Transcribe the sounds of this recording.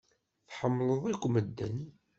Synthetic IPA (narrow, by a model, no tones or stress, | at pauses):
θħəmːləðˤikʷːməd̪ːæ̰ni